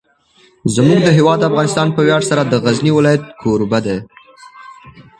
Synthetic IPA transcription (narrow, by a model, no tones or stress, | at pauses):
zmuɡd̪əɦewɑd̪ːafɣɑnɪst̪ɑnpəwjɑɽsaɾad̪əɣazniwɪlɑjat̪̚kʰoɾbad̪e